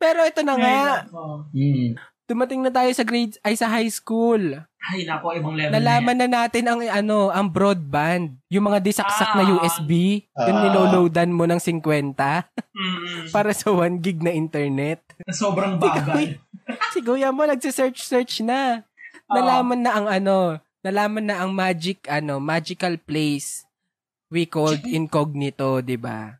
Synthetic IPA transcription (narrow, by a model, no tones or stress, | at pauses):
pɛːɾo̞ʔɛt̪onɐŋa | d̪̥ʊmɐt̪ɪŋnɐt̪aːjo̞sɐɡɾejd̪ʔɐjsɐɦajskulajnapoɪbɐŋlɛnɐlaːmɐnːɐnaːt̪ɪnɐŋɐno̞ʔɐŋbɾod̪̚band̪̚jʊŋmɐŋad̪ɪsɐksɐk̚nɐjuːʔɛsbijʊnmɪnoːlowd̪ɐnmo̞nɐŋsɪŋkwɛnt̪ɐ | paːɾɐsɐwanɡɪɡ̚nɐʔɪnt̪ɛɹnɛt̪̚ɐsobɾɐŋbkɡ | sɪɡuːjɐmo̞nɐɡ̚sɪsɛɹt͡ʃsɛɹt͡ʃnɐ | nɐlaːmɐnːɐʔɐŋɐno̞ | nɐlaːmɐnːɐʔɐŋmaːd͡ʒɪkʔɐno̞maːd͡ʒɪkɐlplejs | wikoɡ̪ʔɪnkoɡ̚nɪt̪o̞d̪ɪba̰